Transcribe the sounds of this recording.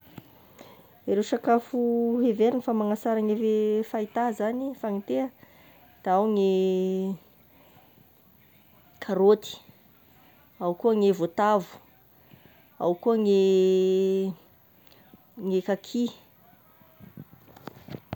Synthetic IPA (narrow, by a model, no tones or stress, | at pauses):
eɾewʃakafuɦeveɾinəfamaŋasaɾaŋevefait̪azanifaŋit̪eə | d̪̥aawŋe | kʰaɾot̪i̥ | awkuəŋevot̪avu̥ | a̰wkuəŋe | ŋekakʰi